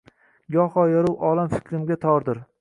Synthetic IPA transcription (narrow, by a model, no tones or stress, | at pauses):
jɒhɒjɒɾʊwʔɒlˠamfɪ̥kʲʰɾɪmɡʲat̪ʰɒɾd̪ɪɾ